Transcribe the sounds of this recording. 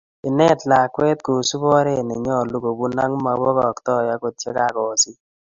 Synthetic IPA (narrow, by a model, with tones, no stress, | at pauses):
ɪ˨nɛ˦˨tla˨kwɛ˦t̚ku˨su˦bɔ˦ɾe˦˨nɪ˨ɲɔ˦˨lu˦ɡo˨bu˦na˦ŋ˦ma˨˦bo˦kɔ˨ktɔ˦˨ja˦ko˨tje˦ka˨kɔ˨si˦